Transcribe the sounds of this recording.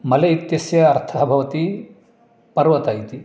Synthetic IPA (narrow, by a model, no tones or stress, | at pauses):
mɐlɐit̪jɐsjɐːɾt̪ʰabʱɐʋɐt̪i | pɐɾʋɐt̪aːjit̪i